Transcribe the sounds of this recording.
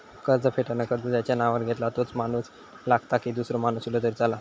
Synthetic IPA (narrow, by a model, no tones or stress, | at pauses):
kəɾd͡zəpʰeʈanaəkəɾd͡zəd͡ʑjat͡ɕjanaʋaɾɡʱet̪lat̪ot͡smanuːs | laɡt̪akid̪usɾomanusulod̪əɾd͡zala